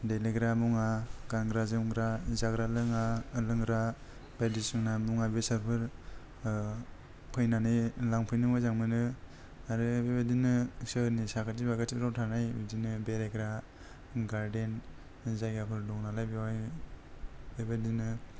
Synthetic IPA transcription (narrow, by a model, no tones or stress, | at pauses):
deleɡɾamuŋaɡanɡɾazɯmɡɾazaɡɾalɯŋalɯŋɾa | badisɯŋnamuŋabesaɾpʰɯɾ | pʰɯjnanɯjlaŋpʰɯjnɯmazaŋmɯnɯ | aɾɯbebadinɯsɯnisakʰatibakatibɾawtʰanajbidinɯbeɾeɡɾa | ɡaɾden | zajɡapʰɯɾdɔŋnalajbiwaj | bebadinɯ